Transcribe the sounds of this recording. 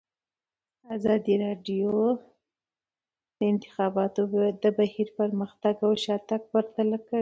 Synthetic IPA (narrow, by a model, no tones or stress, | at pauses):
azɑd̪iɾɑɖjo | d̪̥əɪnt̪ɪ̥xɑbɑt̪ojd̪d̪ːəbahiɾpəɾməxt̪aɡawʃɑt̪aɡ̚pəɾt̪alakə